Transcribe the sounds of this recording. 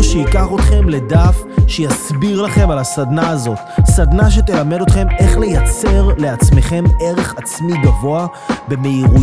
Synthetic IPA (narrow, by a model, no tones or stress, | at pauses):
ʃeikaχo̞t̪χe̞mle̞d̪afʃejasbiʁlaχe̞malasad̪naːzo̞t̪sad̪naʃ̬e̞t̪e̞lame̞do̞t̪χe̞me̞χle̞jat͡se̞ʁle̞at͡sme̞χe̞me̞ʁe̞χat͡smiɡavo̞a | be̞me̞iʁu